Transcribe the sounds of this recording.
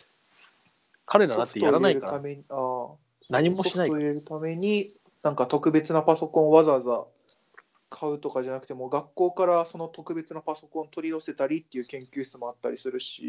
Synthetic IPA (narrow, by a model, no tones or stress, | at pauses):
kʰaɾed̪anoat̪ːet̪oaɾanaiɾɯame̞ɲ̟iaː | naɲimoiaoiɾe̞ɾɯ̟t̪ame̞ɲ̟i | nãŋkat̪o̞kɯ̟be̞t͡sɨnapaso̞kõɰβazaza | kʰaɯ̟t̪o̞kaʑanakɯ̟̥t̪e̞mo̞ɡakːo̞ːkaɾaso̞no̞t̪o̞kɯ̟be̞t͡sɨnapaso̞kõ̞nt̪o̞ɾʲiaose̞t̪aɾʲit̪ːe̞jɯ̟ːkẽ̞ŋkʲɨːɕi̥t͡sɨmo̞at̪ːaɾʲisɨɾɯ̟ɕḭ